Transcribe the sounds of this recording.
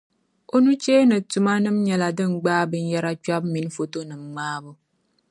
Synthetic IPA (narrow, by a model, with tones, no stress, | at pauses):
o˦nu˦t͡ʃeː˦nɨ˨tu˨ma˦nɨ˦mɲɛ˨la˨dɨ˦m̩˨ɡ͡baː˦bɨ˨n̩˦jɛ˦ɾa˦t͡ʃa˦bmi˨n˦fo˨to˦nɨ˨mŋ͡maː˦bo˦